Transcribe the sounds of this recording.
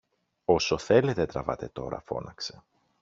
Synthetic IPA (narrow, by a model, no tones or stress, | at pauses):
o̞so̞θe̞le̞t̪et̪ɾɐvɐt̪e̞t̪o̞̰ɾɐ̰fo̞̰nɐkse̞̥